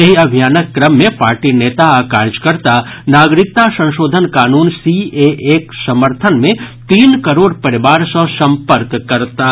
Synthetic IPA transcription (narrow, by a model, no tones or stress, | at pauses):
jɐɦiɐbʱijaːnəkːɾəmːẽpaːɾʈineːt̪aaːkaːɾd͡ʒkɐɾt̪anaːɡɾɪk̚t̪asɐ̃ʃoːd̪ʱənkaːnuːnsieʔeːksɐməɾt̪ʰənmẽt̪iːnkɐɾoːɽpɐɾɪbaːɾsə̃sɐ̃mpəɾkːɐɾt̪aː